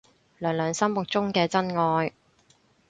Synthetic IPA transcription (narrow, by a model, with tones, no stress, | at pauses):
lœː˨˩ŋlœː˨˧ŋsɐ˥mːʊ˨k̚t͡sʊ˥ŋkɛː˧t͡sɐ˥nŋɔː˧j